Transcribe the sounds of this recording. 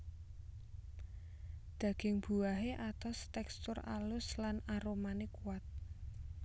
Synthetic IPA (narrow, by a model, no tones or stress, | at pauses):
d̪̥ä̤ɡ̥ɪ̤ŋb̥uaɦeʔat̪ɔst̪ɛkst̪ʊra̰lʊslanaɾomanɪkuwat̪̚